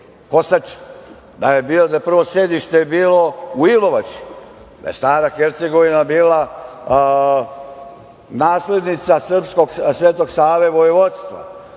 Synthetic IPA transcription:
ko̞sat͡ʃ | d̪aje̞biːod̪aepr̩ʋo̞se̞d̪iʃt̪ebiːlo̞uilo̞ʋat͡ʃi̥ | d̪a̰jest̪aːɾaxeɾt̪seɡo̞ʋinabiːla | naːsle̞d̪nit̪sasr̩psko̞ɡsʋeːt̪oɡsaːʋeʋojiʋot̪st̪ʋa̰

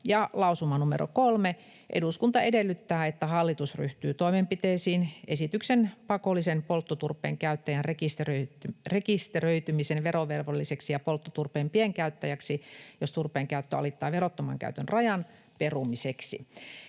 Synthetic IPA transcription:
jɑlɑusumɑnumḛro̰kolme | ʔḛduskunt̪ɑedelːyt̪ːæːet̪ːæhɑlːit̪usry̰ht̪yːt̪oimempit̪eːsiːnesit̪yksenpɑkolːisenpolt̪ːot̪urpˑḛːŋkæyt̪ːæjænrekist̪eørekist̪erøit̪ymisenʋeɾoʋerʋolːiseksijɑpolt̪ːot̪urpeːmpieŋkæyt̪ːæjæksijost̪urpˑeːŋkæyt̪ːøɑ̰lit̪ːɑːʋerot̪ːomɑ̰ŋkæ̰yt̪ønrɑjɑn | perumiseksḭ

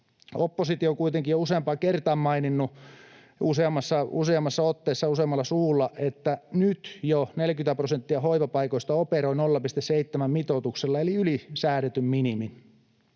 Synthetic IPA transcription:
opːosit̪ioŋkuit̪eŋkijouseɑmpɑːkert̪ɑːmmɑininːu | useɑmːɑsːɑuseɑmːɑsːɑot̪ːeːsːɑuseɑmːɑlːɑsuːlːɑʔet̪ːænyt̪jonelkynt̪æprosent̪ːiɑhoiʋɑpɑikoist̪ɑoperoinolːɑpist̪esseit̪ːemæmmit̪ot̪ukselːɑeliylisæːɾet̪ymminimin

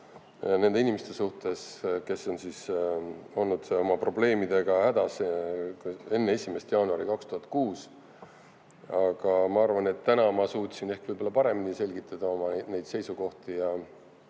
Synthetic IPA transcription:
ne̞nd̪e̞inʲimest̪e̞suht̪e̞ske̞so̞nsiːs | o̞lnud̪̥o̞mɑpro̞ble̞ːmid̪e̞ɡ̥ɑhæd̪̥ɑs | e̞nːee̞sʲimest̪jɑːnuɑɾikɑkst̪uɦɑt̪̚ˑkuːs | ɑɡ̥ɑmɑɑrvɑnet̪ːænɑmɑsuːt̪ʲˑsine̞hkvɯjb̥o̞lːɑpɑɾe̞minise̞lʲɡ̥it̪ˑːɑd̪ɑo̞mɑne̞jd̪̥se̞jsuko̞ht̪ijɑ

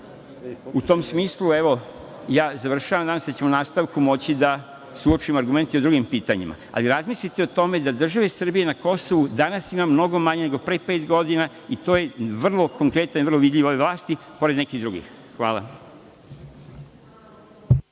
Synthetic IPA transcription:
ut̪o̞msmiːslˠueʋo̞ | jaːzaʋr̩ʃaʋamd̪anasd̪at͡ɕemonaːst̪aʋkumo̞t͡ɕid̪a | suot͡ʃimaɾɡume̞nt̪io̞d̪ɾuɡimpiːt̪aɲḭma̰a̰liɾazmislit̪eot̪o̞me̞d̪ad̪r̩ʒaʋe̞sr̩bije̞nako̞so̞ʋud̪anasimamno̞ɡo̞maɲene̞ɡo̞pɾeːpeːt̪ɡo̞d̪ina | it̪o̞ːje̞ʋr̩lˠo̞ko̞ŋkɾe̞t̪anʋr̩loʋid̪ʎʲiʋoeʋlˠaːst̪ipo̞ɾed̪nekiɣd̪ɾuɡḭx | xʋaːlˠa̰

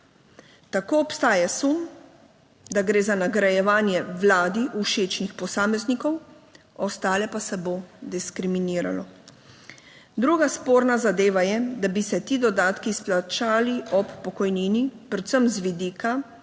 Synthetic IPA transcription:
t̪akoːɔpst̪aːjasum | d̪aɡɾeːzanaɡɾajɛʋaːnjɛʋlaːd̪iʔuʃeːt͡ʃnixpɔsaːmɛznikɔw | ɔst̪aːlɛpasɛbod̪iskɾiminiːɾa̰lɔ | d̪ɾuːɡaspoːɾnazad̪eːʋajɛd̪abisɛt̪iːd̪ɔd̪aːt̪kisplat͡ʃaːliɔpːɔkɔjniːnipɾɛt̪səmzʋid̪iːka

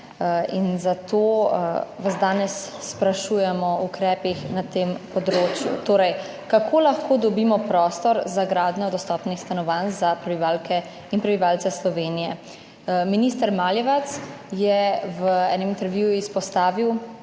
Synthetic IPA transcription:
inzat̪oːʋazd̪aːnɛsːpɾaʃujɛmɔukɾɛːpixnat̪eːmpɔd̪ɾoːt͡ʃjṵt̪oːɾɛj | kakʰoːlaxkoːd̪ɔbiːmɔpɾɔːst̪ɔɾzaɡɾaːd̪nʲɔd̪ɔst̪ɔːpnixst̪anɔʋanzapɾɛbiʋaːlkʰɛ | inpɾɛbiʋalt̪sɛslɔʋeːnijɛ | miniːst̪ɐɾmaːljɛʋat̪sjɛʋəɛːnɛmint̪ɛɾʋjujuispɔst̪aːʋiw

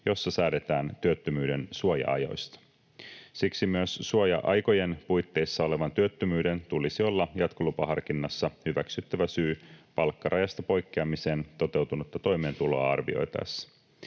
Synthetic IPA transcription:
jo̞sːɑsæːde̞t̪æːnt̪yøt̪ːømyːde̞nsuojɑ̰ɑ̰jo̰jst̪ɑ̥ | siksimyøsːuojɑ̰ʔɑjko̞je̞npujt̪ːe̞jsːɑo̞le̞ʋɑnt̪yøt̪ːømyːde̞nt̪ulisio̞lːɑjɑt̪kolupɑɦɑrkinːɑsːɑhyʋæksyt̪ːæʋæsyːpɑlkːɑɾrɑjɑst̪ɑpo̞jkːeɑmise̞ːnt̪o̞t̪e̞wt̪unut̪ːɑt̪o̞jme̞ːnt̪ulo̞ɑɑrʋḭo̞̰jt̪ɑ̰sːɑ̥

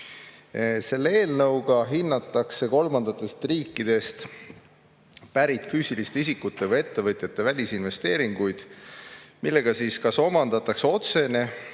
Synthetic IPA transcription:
ese̞lːeeːlnɤwɡ̥ɑɦinːɑt̪ːˑɑkse̞ko̞lmɑnd̪̥ɑt̪ːˑe̞st̪riːkˑːid̪̥e̞st̪ | pæɾit̪ˑfyːsilist̪eis̬ikːut̪ːˑe̞vɤje̞t̪ːe̞vɤt̪ʲjɑt̪ːˑe̞vælʲisinve̞st̪e̞ːɾiŋɡ̥ujd̪̥ | milːe̞ɡ̥ɑsiskɑso̞mɑnd̪̥ɑt̪ːˑɑkseo̞t̪se̞ne̞

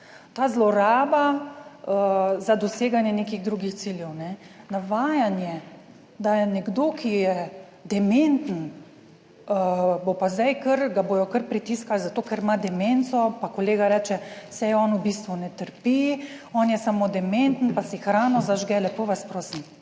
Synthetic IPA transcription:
t̪aːzlɔɾaːbaəzad̪ɔseːɡanjɛnekiɣd̪ɾuːɡixt̪siljɛwnɛ | naʋaːjanjɛ | d̪ajɛnɛɡd̪oːkʰijɛ | d̪ɛment̪n̩ | əbopazd̪ajkəɾɡaboːjɔkəɾpɾit̪iskalzat̪oːkɛɾmad̪ɛment̪sɔpakoleːɡaɾɛːt͡ʃɛsɛjɔːnubist̪ʋunɛt̪əɾpiɔːnjɛsamod̪ɛment̪n̩pasɛxɾaːnɔzaʒɡɛlɛpoʋaspɾoːsim

